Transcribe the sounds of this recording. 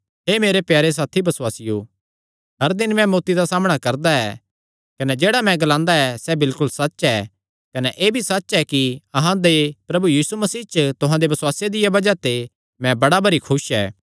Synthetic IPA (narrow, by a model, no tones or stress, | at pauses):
ɦeːmeːɾepjaːɾes̬aːt̪ʰibɐswaːsɪjo | ɦɐɾd̪ɪnmɛ̃moːt̪id̪asaːməɽ̃akɐɾd̪aɛː | kɐnɛd͡ʒeːɽamɛ̃ɡɐlãːnd̪aɛsɛbɪlkʊlsɐɛː | kɐnɛʔeːbʱisɐtːʃɛkiɐɦãd̪epɾɐbujiːsumɐsiːt͡ʃət̪ʊɦãd̪ebɐswaːsjed̪ɪjabɐd͡ʒat̪e | mɛ̃bɐɽabɐɾikʰʊʃɛ̰ː